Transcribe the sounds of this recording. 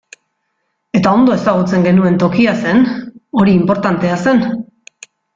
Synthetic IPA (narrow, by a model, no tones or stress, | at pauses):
e̞t̪ao̞nd̪o̞e̞saɣ̞ut͡se̞ŋɡe̞nue̞nt̪o̞kiase̞no̞ɾiːmpo̞ɾt̪ant̪e̞ase̞n